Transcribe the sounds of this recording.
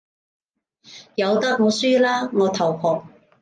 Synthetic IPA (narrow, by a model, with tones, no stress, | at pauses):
jɐ˨˧wt̪ɐ˥k̚ŋɔː˨˧syː˥laː˥ŋɔː˨˧t̪ʰɐ˨˩whʰɔː˨˩k̚